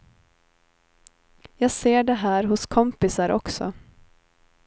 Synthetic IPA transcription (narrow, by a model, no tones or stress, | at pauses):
jɑːɡseːɖɛɦæːɾɦʊskʰɔmpɪsaɾʔɔ̰ksɔ̰